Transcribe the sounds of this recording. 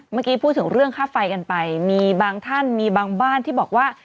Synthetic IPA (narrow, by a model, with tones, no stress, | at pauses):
maː˥˩kiː˧pʰuː˥˩t̪ʰːɯ˩˦ŋɾɯ˥˩əŋkʰaː˥˩fa˧jka˧npa˧jmiː˧baː˧ŋt̪ʰa˥˩nmiː˧baː˧ŋbaː˥˩nt̪ʰiː˥˩bɔː˨˩k̚waː˥˩